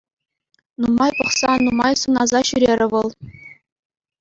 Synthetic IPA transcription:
numɑjpɤ̆χsɑnumɑjsunɑzɑɕyɾʲeɾʲɘ̆ʋɤ̆lˠ

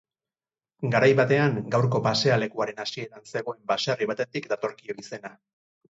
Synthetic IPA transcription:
ɡaɾajβat̪e̞aŋɡawɾko̞pase̞ale̞kuaɾe̞nasie̞t̪anse̞ɣ̞o̞e̞mbaʃariβ̞at̪e̞t̪ikd̪at̪o̞ɾkio̞ise̞na

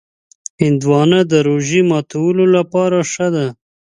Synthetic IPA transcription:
hɪnd̪wɑnad̪əɾoʒimɑt̪ʰawəlolapɑɾaʂəd̪a

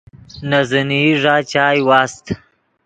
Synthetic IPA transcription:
nazəniʐaːt͡ʃaːjwaːst̪

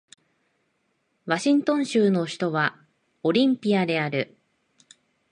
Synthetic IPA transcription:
βaɕĩnt̪õ̞ɰ̃ɕɨːno̞ɕi̥t̪o̞βa | o̞ɾʲĩmpʲiad̪e̞aɾɯ̟

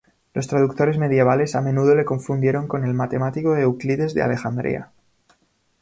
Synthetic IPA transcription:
lo̞st̪ɾaðuk̚t̪o̞ɾe̞zme̞ðje̞β̞ale̞samẽ̞nuðo̞le̞ko̞ɱfund̪je̞ɾo̞ŋko̞ne̞lmat̪e̞mat̪iko̞ðeukliðe̞zðe̞a̰le̞xand̪ɾḭa̰

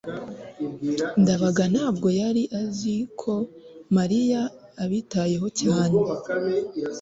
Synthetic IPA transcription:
ndaβaɡan̥haːbɡo̞jaɾiʔazikʰo̞maɾijaː | βitaje̞ɦo̞caːne

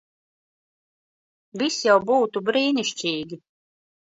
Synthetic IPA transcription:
vʲisjawbuːt̪ubɾiːniʃt͡ʃʲiːɡʲi

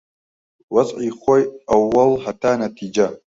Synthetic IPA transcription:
wɐzʕiːxojʔɐwːɐlhɐt̪aːnɐt̪ʰiːd͡ʒɐ

